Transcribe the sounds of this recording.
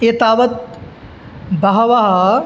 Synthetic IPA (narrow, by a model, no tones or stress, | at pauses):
eːt̪aːʋɐt̪̚ | bɐɦɐʋɐɦɐ